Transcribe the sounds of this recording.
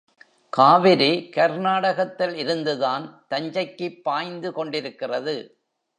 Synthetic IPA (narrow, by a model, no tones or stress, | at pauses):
kaːʋɪɾikɐɾnaːɽɐɣɐt̪ːɪlɪɾɯnd̪ɯðaːnt̪ɐɲd͡ʒɐɪkːɯpːaːjnd̪ɯkɔɳɖɪɾɯkːɪrɐðɯ